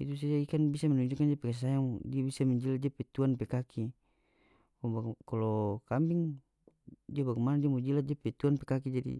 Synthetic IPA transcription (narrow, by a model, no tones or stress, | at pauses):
it̪us̬ad͡ʒaikanbisamɛnuɲd͡ʒukandiapɛkɛs̬ajaŋdiabisamɛɲd͡ʒiladiapɛt̪uanpɛkakʰi | kɔbakalɔkambiŋ | diabaɡɛmanadiamɔd͡ʒiladiapɛt̪uanpɛkak̬id͡ʒadḭ